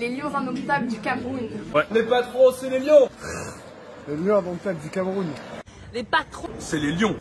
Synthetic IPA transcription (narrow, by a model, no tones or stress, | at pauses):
leljɔ̃zɑ̃d̪ɔt̪abld̪ykʲamʁunwɛlepat̪χõsɛleljɔ̃ | leljɔ̃ãd̪ɑ̃t̪abld̪ykamʁun | lepat̪χɔ̃sɛleljɔ̃